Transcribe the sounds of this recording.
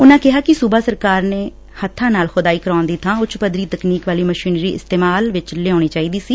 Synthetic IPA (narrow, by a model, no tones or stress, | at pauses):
ʊnãːkɪɦaːkɪsubaːsəɾkaːɾneː | hət̪ʰːãːnaːlxʊd̪aːiːkəɾãːnd̪iːt̪ʰãːʊt͡ʃpəd̪ɾiːt̪əkniːkʋaːliːməʃiːnɾiːɪ̰st̪eːmaːlʋɪt͡ʃleːãːñiːt͡ʃaːiːd̪iːsiː